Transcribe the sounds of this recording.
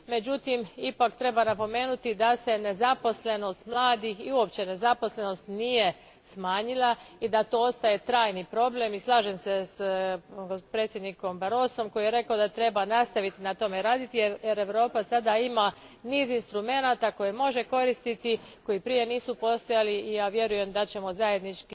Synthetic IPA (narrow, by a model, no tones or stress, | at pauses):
me̞d͡ʑut̪imipakt̪ɾe̞banapo̞me̞ːnut̪id̪ase̞ne̞zapo̞sle̞no̞st̪mlˠaːd̪ixiuo̞pt͡ɕe̞ne̞zapo̞sle̞no̞st̪nije̞ | smaːɲilˠaid̪at̪oost̪aje̞t̪ɾaːjnipɾo̞ble̞mislˠaːʒemse̞s | pɾet̪sʲje̞d̪niko̞mbaɾo̞ːso̞mkojijeɾe̞kaod̪at̪ɾe̞banast̪aʋit̪inat̪o̞me̞ɾaːd̪it̪ijeɾeʋɾo̞ːpasad̪aima | niːzinst̪ɾume̞nat̪ako̞jemo̞ʒe̞ko̞ɾist̪it̪iko̞ipɾije̞niːsupo̞st̪o̞jaliːjaːʋje̞ɾuje̞md̪at͡ɕe̞mo̞zaje̞d̪nit͡ʃki